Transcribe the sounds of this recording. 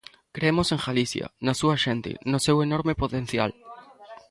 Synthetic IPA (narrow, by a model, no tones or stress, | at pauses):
kɾemoseŋxalisja̰nasuaʃent̪ḛnosewenoɾmepot̪ẽn̟θja̰l